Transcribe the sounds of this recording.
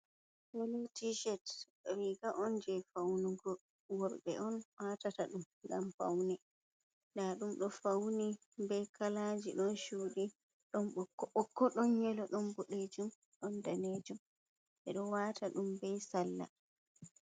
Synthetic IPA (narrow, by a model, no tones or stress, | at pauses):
hɔlotiʃɛt | ɾiɡaʔɔnd͡ʒɛfawnuɡɔ | wɔɾɓɛʔɔnwatataɗum | ɡamfa̰wnɛ | naɗumɗɔfawni | bɛkʰalad͡ʒiɗɔnʃuɗi | ɗɔnɓɔkːɔɔkːɔɗɔnɲɛlɔɗɔnɡɔɗed͡ʒum | ɗɔndaned͡ʒum | ɓɛɗɔwatʰaɗumbɛsalːa̰